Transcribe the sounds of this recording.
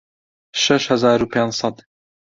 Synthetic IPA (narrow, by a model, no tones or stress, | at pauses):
ʃɛʃhɐzaːɾupʰeːnsˤɑd̪